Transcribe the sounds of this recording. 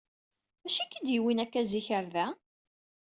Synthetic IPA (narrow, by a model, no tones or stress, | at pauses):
æʃækːid̪jiwinækːæziçəɾðæ